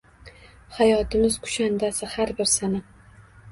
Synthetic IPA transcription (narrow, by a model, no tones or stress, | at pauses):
hajɒt̪ʰɪmɪz̥kʰʊ̥ʃand̪asɪhaɾbɪɾsana